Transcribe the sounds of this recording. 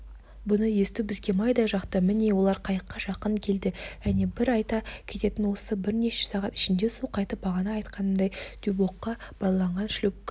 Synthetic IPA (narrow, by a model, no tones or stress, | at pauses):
bʊnəje̞st̪ubɪzɡʲe̞mɑjd̪ɑʒɑqt̪əmɪne̞wo̞lˠɑɾqʰɑjəqːɑʒɑqəɴkʲʰe̞ld̪ɪʒ̥æne̞bɪɾɑjt̪ɑkʲʰe̞t̪e̞t̪ɪnwo̞səbɪɾne̞ʃe̞̥sɑʁɑt̪ɪ̥ʃɪnd̪e̞suqʰɑjt̪əp̚bɑʁɑnɑːjt̪qɑnəmd̪ɑjd̪̥ybo̞qːɑb̥ɑlˠɑlˠɑɴʁɑnʃɪlʏp